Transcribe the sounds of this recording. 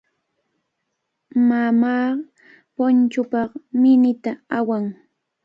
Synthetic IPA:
mamaː | pont͡ʃʊpɑqmɪnɪt̪aawaŋ

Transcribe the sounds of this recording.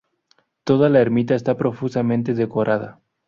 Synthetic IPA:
t̪o̞ð̞alaeɾmit̪̬aest̪apɾo̞fusamẽ̞nt̪̬e̞ðe̞ko̞ɾʔað̞a̰

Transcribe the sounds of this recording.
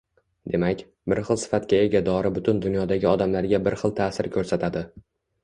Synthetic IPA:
d̪e̞makʲ | bɪɾχɨlˠsɪ̥fat̪kʲae̞ɡʲad̪ɒɾɪbʊt̪ʰʊnd̪ʊnjɒd̪aɡʲɪɒd̪amlaɾɡʲabɪɾχɨlˠt̪ʰaːsɪɾkʲʰɵɾsat̪ʰad̪ɪ

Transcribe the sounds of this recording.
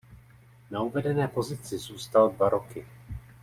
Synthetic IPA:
nauvɛdɛnɛːpo̞zɪt͡sɪzuːst̪aldvaɾo̞kɪ

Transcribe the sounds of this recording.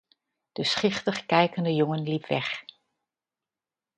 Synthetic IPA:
d̥əsχɪχtəχkɛjkəndəjʊŋənlipʋɛχ

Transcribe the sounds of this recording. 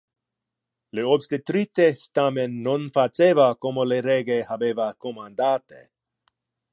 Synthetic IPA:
leobst̪et̪ɾit̪est̪amenːonfat͡ʃevakomoleɾeɡehabevakomand̪at̪ḛ

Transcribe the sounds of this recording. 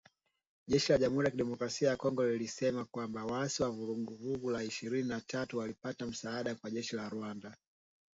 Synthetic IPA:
ʄɛʃilaʄam̩huɾijakiɗɛmɔkɾasiajakɔŋɡɔlilisɛmakwambawaasiwavuɾuɡuvuɡulaiʃiɾininatʰatuwalipatam̩saaɗakwaʄɛʃilaɾuanda

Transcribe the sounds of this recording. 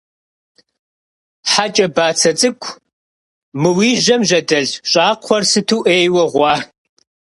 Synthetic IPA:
ħat͡ʃʼɐbaːt͡sʰɐt͡sʼɨkʷʰ | mɨwiːʒɐmʑɐdɐɮɕʼaːqʷʰɔrsɨtʰuːʔeːjwɐʁʷɑː

